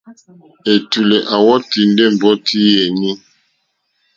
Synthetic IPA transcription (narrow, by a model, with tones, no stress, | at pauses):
e˨tu˨le˨ʔa˨wɔ˦ti˨n˦de˦˨m̩˨bɔ˦tʰi˦je˨ni˦